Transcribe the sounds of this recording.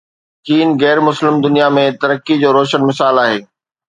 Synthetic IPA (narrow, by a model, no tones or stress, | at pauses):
kiːnɣɛːɾmʊslɪmd̪ʊnijamẽt̪ɐɾəkːid͡ʑoːɾoːʃənmɪsaːlaːɦeː